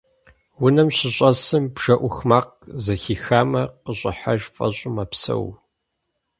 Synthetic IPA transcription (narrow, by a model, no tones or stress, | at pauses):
wʊnɐmɕɪɕʼɐsɨmbʒ̥ɐʔʷʊxmaːq̚ | zɐxiːxaːmɐqəɕʼɪ̰ħaʒfʼɐ̰ɕʼʊmɐpsɐ̰w